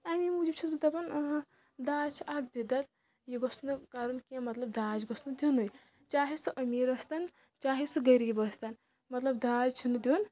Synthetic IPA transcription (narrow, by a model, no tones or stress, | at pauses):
amimud͡ʒibt͡ʃʰizbɨt̪ɐbɐn | d̪aːt͡ʃʰiʔab̚bid̪ɐt̪ | jiɡosnɨkaɾunkẽmɐt̪lɐb̚d̪aːd͡ʒɡɔsnɨd̪ʲunuj | t͡ʃaːɦisɨʔɐmiːɾɐst̪ɐn | t͡ʃaːɦisɨɡɐɾiːbɐst̪ɐn | mɐt̪lɐb̚d̪aːd͡ʒt͡ʃʰunɨd̪ʲun